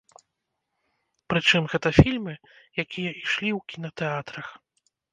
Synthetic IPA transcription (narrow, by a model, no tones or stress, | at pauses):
pɾɨt͡ʂɨmɣɛt̪ɐfʲilʲmɨ | jakʲʰijɐʔiʂlʲiwkʲinɐt̪ɛat̪ɾɐx